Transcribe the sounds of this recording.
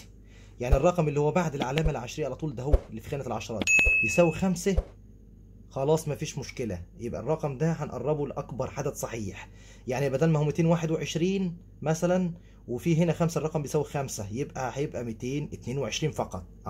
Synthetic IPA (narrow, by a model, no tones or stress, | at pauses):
jaʕnirˤːɑqɑmʔelːihowːæbaʕd̪elʕalæːmælʕaʃɾejʔʕalɑt̪ˤuːld̪æɦowlːifi̥xæːnæelʕɑʃɑɾˤɑ̰ːt̪bjesæːwixæmsæ | xɑlɑːsˤmæfiːʃmʊʃkelæ̰jebʔæ̰rˤːɑqɑmd̪æħænʔɑ̰rˤːɑboleʔækbɑɾˤħad̪æd̪sˤɑħiːħ | jaʕnijebʔæd̪æːnmæhumːit̪eːnwaːħed̪weʕeʃɾiːn | mæsælæn | wefiɦenæxæmsærˤɑqɑmbejsæːwixæmsæjebʔæhæjebʔæmit̪eːnʔet̪neːnweʕeʃɾiːnfɑqɑt̪ˤ